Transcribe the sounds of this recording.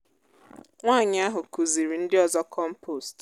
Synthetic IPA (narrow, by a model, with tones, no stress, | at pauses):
ŋʷaː˦˨ɲɪ˦a˦ɦʊ˨ku˨zi˨ɾi˨n̩˦dɪ˦ɔ˨zɔ˦kɔ˦m̩˦po˦˨st